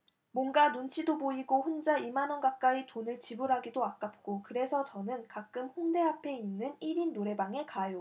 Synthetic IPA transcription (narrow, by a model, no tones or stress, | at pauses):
mwʌnɡanunt͡ɕʰidoboiɡoɸond͡ʑaimanʌnɡak̚k͈aitonɯɭt͡ɕibuɾɦaɡidoak͈ap̚k͈okɯɾe̞sʰʌt͡ɕʌnɯnkak̚k͈ɯmɸonde̞apʰe̞inːɯniɾinːoɾe̞baŋe̞kajo